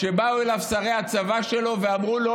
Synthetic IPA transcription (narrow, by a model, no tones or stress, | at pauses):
ʃe̞bauelavsaʁejhat͡savaʃe̞lo̞veamʁulo